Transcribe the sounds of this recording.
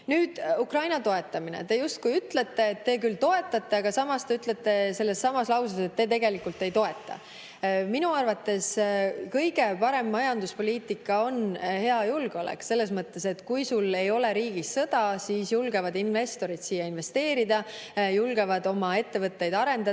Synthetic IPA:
nyːd̪̥ukrɑjnɑt̪o̞e̞t̪ːˑɑminḛt̪e̞just̪̚kujyt̪le̞t̪ːe̞ːt̪ːe̞ːk̬ylt̪o̞e̞t̪ːˑɑt̪ˑːe̞ɑɡ̥ɑsɑmɑst̪e̞yt̪ˑle̞t̪ːe̞se̞lːe̞sːɑmɑslɑwsɑse̞t̪ːe̞t̪e̞ɡe̞likːˑult̪ːˑe̞jt̪o̞e̞t̪ːˑɑ̰ | minuɑrvɑt̪ːe̞skɤjɡ̥e̞pɑɾe̞mːmɑjɑnd̪uspo̞lʲiːt̪ˑikːˑɑo̞nhe̞ɑjulɡ̥eo̞lḛkse̞lːe̞smɤt̪ːe̞se̞t̪kujsule̞jo̞le̞ɾiːɡ̥isːɤd̪̥ɑsiːsjulɡ̥e̞vɑd̪inve̞st̪o̞ɾid̪̥siːjːɑinve̞st̪e̞ːɾid̪ɑ | julɡ̥e̞vɑd̪o̞mɑe̞t̪ːe̞vɤt̪ːe̞jd̪ɑɾe̞nd̪ɑ

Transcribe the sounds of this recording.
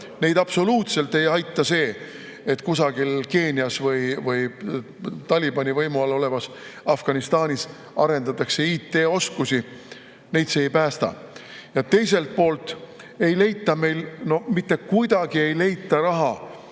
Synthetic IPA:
ne̞jd̪ɑb̥so̞luːt̪se̞lt̪ːe̞jɑjt̪ˑːɑse̞ː | et̪ːkusɑɡ̥ilke̞ːniɑsvɯjvɯj | t̪ɑlʲibɑnʲivɤjmuɑlo̞le̞mɑs | ɑfɡ̥ɑnist̪ɑːnʲis | ɑɾe̞nd̪ɑt̪ːˑɑkse̞iːt̪ːe̞ːo̞skusi | ne̞jd̪se̞ːjpæːst̪ɑ̰ | jɑt̪e̞jse̞lt̪̚po̞ːlt̪ˑ | e̞jle̞jt̪ːˑɑme̞jlno̞mit̪ːe̞kujd̪̥ɑɡ̥ie̞jle̞jt̪ˑːɑɾɑɦɑ

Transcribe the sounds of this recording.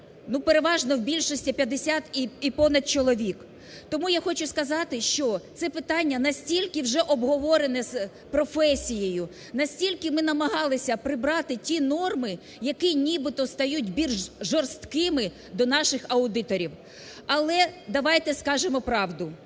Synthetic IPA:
nupeɾeʋɑʒnɔwbʲilʲʃɔsʲtʲipʲjɐd̪esʲat̪iipɔnɐd̪̚t͡ʃɔlˠɔʋʲik | t̪ɔmujaxɔt͡ʃʊskɐzɑt̪ɪʃt͡ʃɔt̪sɛpɪt̪ɑnʲːɐnɐsʲtʲilʲkɪwʒɛʔɔbɦɔʋɔɾenɛz | pɾɔfɛsʲijejʊ | nɐsʲtʲilʲkɪmɪn̪ɐmɐɦɑlˠɪsʲɐpɾɪbɾɑt̪ɪtʲinɔrmɪ | jɐkɪnʲibɪt̪ɔst̪ɐjut̚ʲbʲilʲʒʒɔrst̪kɪmɪ | d̪ɔnɑʃɪxɐʊd̪ɪt̪ɔɾʲiw | ɐlˠɛd̪ɐʋɑjt̪ɛskɑʒemɔpɾɑwd̪ʊ

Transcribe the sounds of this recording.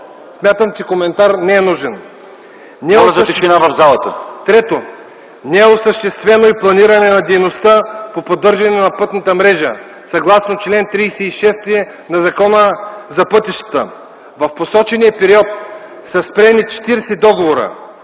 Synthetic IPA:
smʲjat̪əmt͡ʃɛkomɛnt̪aɾnɛɛnuʒɛn | nɛozɐt̪ɛʃinavɐvzalˠət̪ət̪ɾɛt̪o | nɛɛosəʃt̪ɛst̪vɛnoiplˠɐniɾɐnɛnɐd̪ɛjnost̪apopod̪ɤɾʒɐnɛnɐpɤt̪nɐt̪əmɾɛʒə̰ | sɐɡlˠasnot͡ʃlɛnt̪ɾiːsɛiʃɛst̪iɛ | nɐzɐkɔnəzɐpɤt̪iʃt̪ə̥t̪ə̰ | vɐfposɔt͡ʃɛnijəpɛɾiɔt̪̚ | sɐspɾɛnit͡ʃɛ̥t̪iɾsɛd̪ɔɡovoɾə̰

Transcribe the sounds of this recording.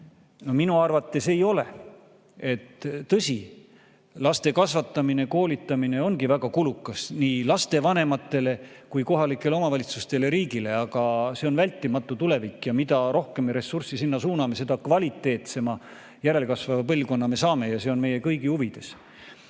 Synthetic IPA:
no̞minuɑrvɑt̪ːe̞se̞jo̞le̞̰ | e̞t̪ːɤsʲi | lɑst̪e̞kɑsvɑt̪ːˑɑmine̞ko̞ːlit̪ːˑɑmine̞o̞nɡivæɡ̥ɑkulukːˑɑsniːlɑst̪e̞vɑne̞mɑt̪ːˑe̞le̞kujko̞ɦɑlikːˑe̞leo̞mɑvɑlit̪sust̪e̞le̞ɾiːɡile̞ɑɡ̥ɑse̞o̞nvælʲt̪ːˑimɑt̪ːˑut̪ule̞vikːˑjɑmid̪ɑɾo̞hke̞meɾe̞sːursisinːɑsuːnɑme̞se̞d̪̥ɑkvɑlʲit̪ːˑe̞ːt̪se̞mɑ | jæɾe̞lkɑsvɑvɑpɤlʲko̞nːɑme̞sɑːme̞jɑse̞o̞nme̞je̞kɤ̞jɡihuvid̪̥e̞s

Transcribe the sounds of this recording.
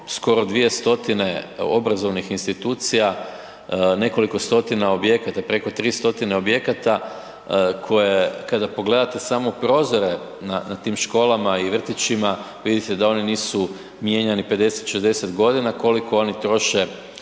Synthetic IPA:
sko̞ɾod̪ʋije̞st̪o̞t̪ine̞o̞̰bɾazo̞ʋnixinst̪it̪uːt̪sija | ne̞ko̞liko̞st̪o̞t̪inao̞bje̞kat̪apɾe̞ko̞t̪ɾiːst̪o̞t̪ine̞o̞bje̞kat̪a | kʰo̞je̞kad̪apo̞ɡle̞d̪at̪e̞samopɾo̞ːzo̞ɾe̞ | nanat̪iːmʃko̞ːlˠamaiʋr̩t̪it͡ʃima | ʋid̪it̪ed̪ao̞niniːsu | mje̞ɲanipe̞d̪e̞set̪ʃezd̪e̞set̪ɡo̞d̪inako̞liko̞o̞nit̪ɾo̞ʃe

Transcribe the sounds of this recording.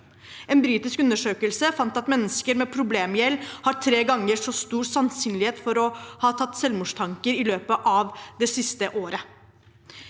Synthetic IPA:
ɛːnbɾiːt̪ɪskʉnːəʂøːkəlsəfɑnt̪ɑt̪mɛnːəskəɾmɛːpʰɾʊbleːmjɛlːhɑɾʈʰɾeːɡɑŋːəɾʂɔst̪uːɾsɑnsyːnlɪheːt̪fɔɾɔhɑːt̪ʰɑt̪ːsɛlʋmuːʂt̪ʰɑŋkəɾɪløːpəʔɑʋd̪ɛsɪst̪əʔoːɾə

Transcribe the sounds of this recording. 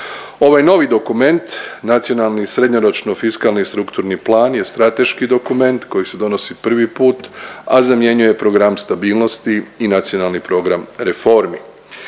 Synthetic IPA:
o̞ʋajno̞ʋid̪o̞kume̞nt̪nat̪sijo̞nalˠnisɾe̞d̪ɲoɾo̞t͡ʃno̞fiskalˠnist̪ɾukt̪uɾniplˠaːnje̞st̪ɾat̪e̞ʃkid̪o̞kume̞nt̪ko̞jise̞d̪o̞no̞sipr̩ʋipuːt̪azamje̞ɲuje̞pɾo̞ɡɾamst̪abiːlˠno̞st̪iːnat̪sijo̞nalˠnipɾo̞ɡɾamɾe̞fo̞ɾmi

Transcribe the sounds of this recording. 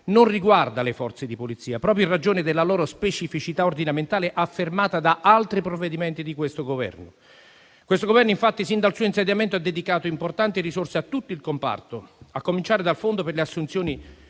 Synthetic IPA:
nʊnriɡward̪alɪfɔrt̪sed̪ipolit̪sːiːapɾɔːp̬ɾjoinrad͡ʒoːnɪd̪elːalɔːɾospet͡ʃifit͡ʃit̪aord̪inament̪aːleʔafːermaːt̪ad̪aʔalt̪ɾipɾovːed̪imɛnt̪id̪ikwest̪oɡovɛ̰rnʊ | kwest̪oɡovɛrnoiɱfat̪ːisind̪alsuːoinsed̪jamɛnt̪oad̪ːed̪ikaːt̪oimport̪ant̪irisorseat̪ːut̪ːoilkompa̰rt̪oakːomint͡ʃaːɾɪd̪alfond̪operleasːunt̪sjoɔːni

